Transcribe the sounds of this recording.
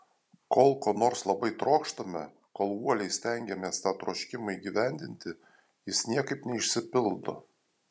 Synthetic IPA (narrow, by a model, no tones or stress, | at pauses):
koːlˠkoːnoːɾslˠɐbɐɪt̪ɾoːkʃt̪ɐmʲɛ | koːlˠuɔlʲɛɪsʲt̪ʲɛŋʲɡʲɛmʲeːst̪ɑːt̪ɾoːʃʲkʲɪmɐiɡʲiʋʲæˑnʲd̪ʲɪnʲt̪ʲɪ | jɪsnʲiɛkɐɪpnʲɛɪʃʲsʲɪpʲɪlˠd̪o̰